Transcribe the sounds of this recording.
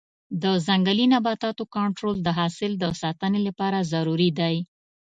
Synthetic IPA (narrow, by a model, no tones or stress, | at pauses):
d̪əzaŋɡalinabɑt̪ɑt̪okaɳʈɾold̪əɦɑsɪld̪əsɑt̪ənelapɑɾazaɾuɾid̪aj